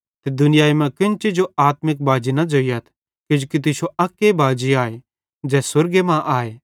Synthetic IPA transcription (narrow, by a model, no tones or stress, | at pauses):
t̪ed̪ʊnɪjaːimɛ̃kɪnt͡ʃid͡ʒoaːt̪mɪk̚baːd͡ʒinɐd͡ʒoːijɐt̪ʰ | kɪd͡ʒukit̪̬ɪʃoɐkːebaːd͡ʒiaːe | d͡ʒɛːsʊɾɡemãʔaːeː